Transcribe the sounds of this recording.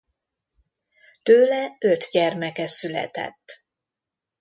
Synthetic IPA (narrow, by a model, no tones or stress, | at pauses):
t̪øːlɛø̞t̪ɟɛrmɛkɛsylɛ̰t̪ɛ̰t̪ː